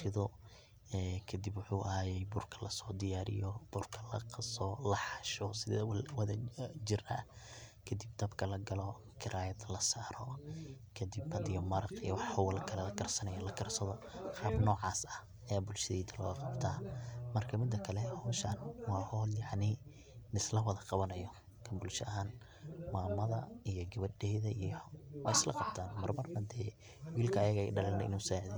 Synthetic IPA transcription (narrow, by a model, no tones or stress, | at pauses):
ʃɪðɔ | ɛːkʰɐd̪ibwʊħuːʔɐɦaːjɛjbʊrkʰɐ̥lɐsɔːd̪ɪjaːɾɪ̰jɔb̥ʊrkʰɐlɐ̰qsɔlɐħɑʃɔsɪððɐwɐðɐt͡ʃɪɾɐ̰kʰɐd̪ib̚d̪ɐbkʰɐlɐɡɐlɔ | kʰɪɾʔaːjɐd̪lɐsaːɾɔ | kʰɐd̪ɪbbɐd̪ɪjɔmɐɾɑqḭjɔwɑħɐwɐlɐkʰɐlɛlɐkʰɐrsɐnɐjɐlɐkʰɐrsɐðɔqɑːbnɔːʕɑːsɐh | ɐjaːbʊlʃɐðɛːd̪ɐlɔ̰ːɣɐqɑbt̪ʰaːmɐrkʰɐmɪd̪ːɐkʰɐlɛhɔːʃɐnwɑːhɔːljɑʕnɪ | lɪslɐwɐðɐqɑβɐnɐjɔ | kʰɐbʊlʃɐʔɐɦaːn | maːmɐðɐijɔɡɐβɐɖɛjðɐʔijɔw̰ɪslɐ̰qɑbt̪ʰaːnmɐrmɐrbɐd̪ɛː | wiːlkʰɐːjɐɣɐɪɖɐlɛnɛ̰ʔɪ̰nuːsaːʕðɛ